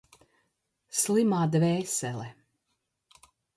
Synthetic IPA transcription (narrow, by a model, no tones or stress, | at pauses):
slimaːd̪vɛːsɛlɛ